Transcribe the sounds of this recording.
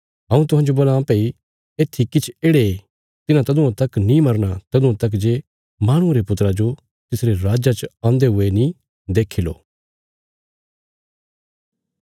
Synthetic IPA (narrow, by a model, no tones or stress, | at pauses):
ɦɐ̃ũt̪ʊɦãːd͡ʒoboːlãpei | eːt̪ʰːikɪt͡ʃʰeːɽe | t̪ɪnãt̪ɐd̪ũãt̪ɐknĩmɐɾñat̪ɐd̪ʊ̃ãt̪ɐk̬d͡ʒeː | maːɽ̃ʊ̃ɾepʊt̪ɾad͡ʒo | t̪ɪsɾeɾaːd͡ʒat͡ʃãːnd̪eɦʊenĩ | d̪eːkʰilo̰ː